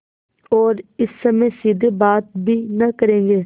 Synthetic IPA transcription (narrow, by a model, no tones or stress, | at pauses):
ɔːɾɪsːəmẽːsiːd̪eːbaːt̪̚bʱiːnəkəɾẽːɡeː